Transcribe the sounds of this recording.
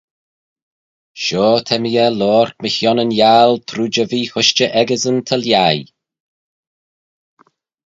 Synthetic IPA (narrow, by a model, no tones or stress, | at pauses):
ʃoːt̪ʰɛmiɛlɔːɹ̥t̪̚məhjɔnənjalt̪ʰɾuːd͡ʒəviːhʊʃt͡ʃəʔɛɡəzənt̪ʰəljaj